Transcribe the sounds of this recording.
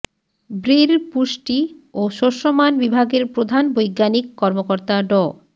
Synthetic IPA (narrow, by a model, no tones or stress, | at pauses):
bɾiɾpuʃʈioʃoɾʃomanbibʱaɡeɾpɾod̪ʱanbojɡːanikːɔɾmokɔɾt̪aɖɔ